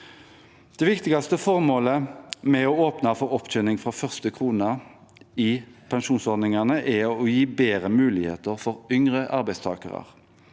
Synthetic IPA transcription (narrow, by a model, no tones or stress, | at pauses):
d̪̥ɛʋɪkt̪ɪɡɑst̪əfɔʁmoːləmɛɔoːpnɑfɔʁɔpːc͡çœnɪŋfʁɑfœʁst̪əkʰʁuːnɑ | ipʰɛnʃuːnsɔʁd̪nɪŋɑnəʔɛɔjiːbeːʁəmʉːlɪhḛːt̪əʁfɔʁʏŋʁəʔɑʁbæɪst̪ʰɑ̰ːkə̰ʁɑ̰ʁ